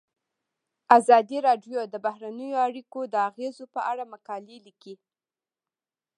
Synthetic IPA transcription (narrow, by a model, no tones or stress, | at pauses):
azɑd̪iɾɑɖjod̪əbahɾanəjoaɽikod̪əaɣezopəʔaɽamakɑleliki